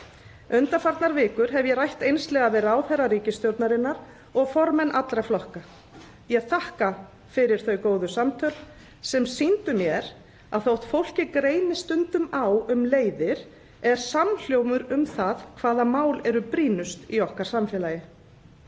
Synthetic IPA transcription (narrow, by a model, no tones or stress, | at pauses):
ʏnt̪afaɾt̪naɾvɪːkʏɾ̥ɦɛvjɛɾajht̪ejnst̪lɛɣavɛːɾʏawθɛrːaɾiːcɪst̪jɔɾt̪naɾɪnːaɾ | ɔɣfɔɾmɛnʔat̪lɾaflɔhka | jɛɣθahka | fɪɾɪɾ̥θœɥkoːwðʏsamt̪ʰœɾ | sɛmsint̪ʏmjɛɾ | aðθowht̪fowl̥cɪkɾeːjnɪst̪ʏnt̪ʏmawʏmleːjðɪɾ̥ | ɛɾ̥saml̥joːwmʏɾʏmθaðkʰvaːðamaːwlɛɾʏpɾiːnʏst̪iɔhkaɾ̥samfjɛːlajɪ